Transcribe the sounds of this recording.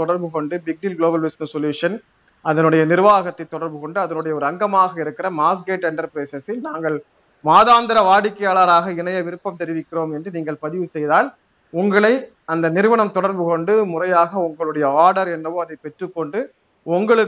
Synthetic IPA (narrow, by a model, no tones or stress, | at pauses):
t̪ɔɽɐɾbɯkɔɳɖɯbɪk̚ɖɪlɡɭoːbɐlʋɪsnɐsɔljuːʂɐn | ʔɐðɐnɯɽɐjɐnɪɾɯʋaːɣɐt̪ːɐɪt̪ːɔɽɐɾbɯkɔɳɖɯɐðɐnɯɽɐjɐɔɾɯɐŋɡɐmaːɣɐɪɾɯkːɪrɐmaːsɡeːʈːɛɳɖɐɾpɪɾeːsɛsɪlnaːŋɡɐɭ | maːðaːnd̪ɪɾɐʋaːɽɪkːɐjaːɭaɾaːɣɐɪnɐjɐʋɪɾɯpːɐmt̪ɛɾɪʋɪkːɪroːmɛndrɯniːŋɡɐɭpɐðɪʋɯsɛjðaːl | ʊŋɡɐɭɐɪ | ɐnd̪ɐnɪɾɯʋɐɳɐmt̪ɔɽɐɾbɯkɔɳɖɯmʊrɐjaːɣɐʊŋɡɐɭɯɽɐjɐaːɾɽɐɾɛnːɐʋoːɐðɐɪpɛʈrɯkːɔɳɖɯ | ʊŋɡɐɭɯ